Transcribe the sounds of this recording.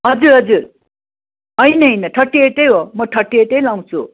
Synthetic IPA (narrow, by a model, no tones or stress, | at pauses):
ɦʌd͡zuɾɦʌd͡zuɾ | ʌjnʌjnʌʈʰʌʈːieʈejɦomʌʈʰʌʈːieʈejlaw̃t͡sʰṵ